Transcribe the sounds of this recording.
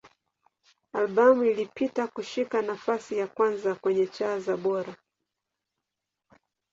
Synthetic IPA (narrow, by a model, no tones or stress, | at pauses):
alɓamuilipitakuʃikanafasijakwanzakwɛɲɛt͡ʃaːzaɓɔɾa